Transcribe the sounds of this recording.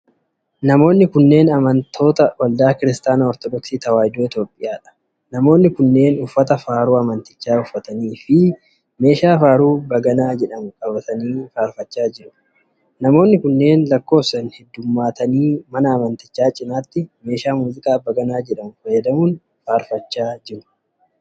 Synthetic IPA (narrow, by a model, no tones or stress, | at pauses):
nɐmo̞ːnːɪkʊnːe̞ːnɐmɐnt̪ʰo̞ːt̪ɐwɐld̪aːkɪɾɪst̪aːnɐɔɾt̪ɔd̪ɔksiːt̪ɐwaːjd̪oːɪt̪jo̞ːpʼːɪjaːᶑɐ̥ | nɐmo̞ːnːɪkʊnːe̞ːnʊfːɐt̪ɐfaːɾuːɐmɐnt̪ɪ̥t͡ʃːaːʊfːɐt̪ɐniːfɪ | me̞ːʃaːfaːɾuːbɐɡɐnaːd͡ʒɛᶑɐmʊkʼɐbɐt̪ɐniːfaːɾfɐt͡ʃːaːd͡ʒɪɾʊ̥ | nɐmo̞ːnːɪkʊnːe̞ːnlɐkːo̞ːfsɐnhɛd̪ːʊmːaːt̪ɐniːmɐnɐːmɐnt̪ɪt͡ʃːaːt͡ʃʼɪnaːt̪ːɪme̞ːʃaːmuːzɪkʼaːbɐɡɐnaːd͡ʒɛᶑɐmʊfɐjɐd̪ɐmuːn | faːɾfɐt͡ʃːaːd͡ʒɪɾʊ̥